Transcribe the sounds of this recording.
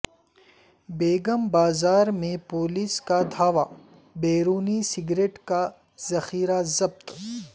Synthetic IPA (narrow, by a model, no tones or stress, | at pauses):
beːɡəmbaːzaːɾmẽpoːliskad̪ʱaːʋa | beːɾuːnisɪɡɾeːʈka | zɐxiːɾazɐb̚t̪